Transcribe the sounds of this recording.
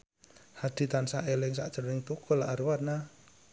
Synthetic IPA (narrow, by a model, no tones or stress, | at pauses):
had̪̥i̤t̪ansaʔelɪŋs̬a̰ʔd̥əɾnɪŋt̪ukɔlaarwat̪̚na